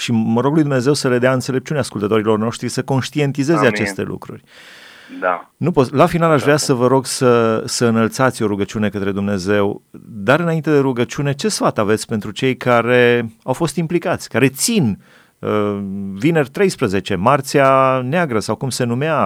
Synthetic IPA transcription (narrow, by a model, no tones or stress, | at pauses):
ʃiməɾo̞ɡlujd̪umne̞ze̞wsəle̞d̪eaɨnt̪se̞le̞p̚t͡ʃuneaskult̪ət̪o̞ɾilo̞rno̞ʃt̪ɾisəko̞nʃt̪ie̞nt̪ize̞zat͡ʃe̞st̪e̞̰lʔṵkɾṵrʲ | anupolafinalaʃvɾeasəvəɾo̞ɡsəsəɨnəlt̪sat̪sʲo̞ɾuɡət͡ʃiune̞kət̪ɾe̞d̪umne̞ze̞wd̪aɾɨnaint̪e̞d̪e̞ɾuɡət͡ʃune̞t͡ʃe̞sfat̪ave̞t̪sʲpe̞nt̪ɾut͡ʃe̞jkaɾe̞awfo̞st̪implikat̪sʲkaɾe̞t̪sin | əvine̞rʲt̪ɾe̞jspɾəze̞t͡ʃe̞mart̪sianeaɡɾəsawkumse̞numea